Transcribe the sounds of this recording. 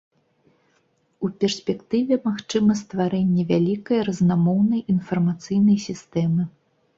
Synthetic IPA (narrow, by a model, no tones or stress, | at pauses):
upʲɛrsʲpʲɛkt̪ɨvʲɛmaxt͡ʂɨmɐst̪vaɾɛnʲːɛvʲalʲikɐjɐɾɐznamɔwnɐjinfɐrmat̪sɨjnɐjsʲist̪ɛmɨ